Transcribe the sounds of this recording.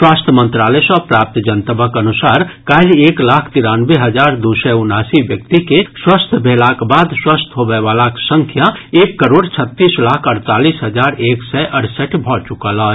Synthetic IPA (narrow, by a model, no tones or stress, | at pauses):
swaːst̪ʰəmə̃nt̪ɾaːlesɔpɾaːp̚t̪d͡ʒənt̪əbəkɐnʊsaːɾkaːleːklaːkʰt̪ɪɾaːnweɦɐd͡ʒaːɾd̪usɛʊnaːsiʋjək̚t̪ikeswaːst̪ʰəbʱeːlakbaːd̪swaːst̪ʰɦobɛʋaːlaksə̃ŋkʰjaeːkːəɾoːɽt͡ʃʰət̪ːiːslaːkʰɐɾt̪aːliːsɦəd͡ʒaːɾeːksɛʔɐɽsəʈʰbʱɔːt͡ʃʊkaːlɔːɛ